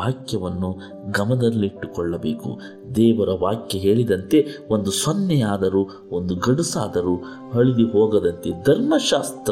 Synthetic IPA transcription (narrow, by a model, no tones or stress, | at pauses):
aːkjɐʋɐnːu | ɡɐmɐd̪ɐlːiːʈːukɔɭːɐbeːkṵ | d̪ɛːʋɐɾɐʋaːkjɐɦe̞ːɭid̪ɐnt̪e̞o̞nd̪usɔnːɛjaːd̪ɐɾu | ond̪uɡɐɽusaːd̪ɐɾuː | hɐɭid̪iɦoːɡɐd̪ɐnt̪ed̪ʱɐɾmɐʃaːst̪ɾ